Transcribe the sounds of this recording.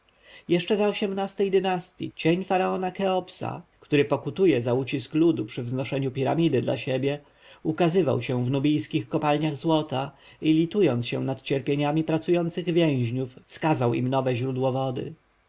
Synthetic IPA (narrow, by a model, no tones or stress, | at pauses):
jɛʂt͡ʂɛzaɔɕɛmnast̪ɛjd̪ɘnast̪ʲjḭt͡ɕeɲfaɾaɔnakɛɔpsa̰kt̪uɾɘpɔkut̪ujɛzaut͡ɕisklud̪upʂɘvznɔʂɛɲupʲiɾa̰mʲid̪ɘd̪la̰ɕɛbʲjɛ | ukazɘva̰wɕɛ̃vnubʲijskʲixkɔpalɲaɣzwɔt̪a | ilʲit̪ujɔnt̪sɕɛ̰̃nat̪t͡ɕɛɾpʲjeɲamʲipɾat̪sujɔnt̪sɘɣvʲjɛ̃w̃ʑɲufːskazawḭmnɔvɛʑɾud̪wɔvɔd̪ɘ̰